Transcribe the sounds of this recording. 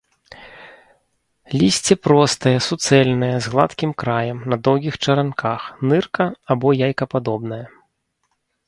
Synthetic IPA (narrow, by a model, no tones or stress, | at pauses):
lʲisʲt͡sʲɛpɾɔst̪ɐjɐsut̪sɛlʲnɨjɐzɣlˠa̰t̪kʲimkɾajɐmnɐd̪ɔwɣʲixt͡ʂɐɾankʰaxnɨrkɐabɔjajkɐpad̪ɔbn̪ɐjɐ